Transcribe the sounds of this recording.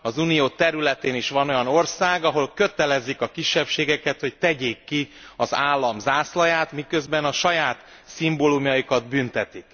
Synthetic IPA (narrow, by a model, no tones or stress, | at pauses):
ɒzunijoːt̪ɛɾylɛt̪eːniʃʋɒno̞jɒno̞rsaːɡɒɦo̞lkø̞t̪ɛlɛzːikɒkiʃːɛpʃeːɡɛkɛt̪ho̞ct̪ɛɟeːkːiɒzaːlːɒmzaːslɒjaːt̪mikø̞zbɛnɒʃɒjaːt̪ | simbolumjɒjikɒd̪bynt̪ɛt̪ik